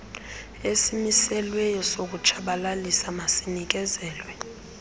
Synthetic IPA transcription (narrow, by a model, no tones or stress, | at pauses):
esimisɛlwɛjɔsok̬ut͡ʃʰaɓalalisamasinik̬ɛzɛːlwɛ